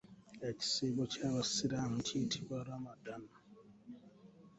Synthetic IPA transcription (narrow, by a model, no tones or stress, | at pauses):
eci̥sebocaβasiɾam̩titʰiβwaɾamadana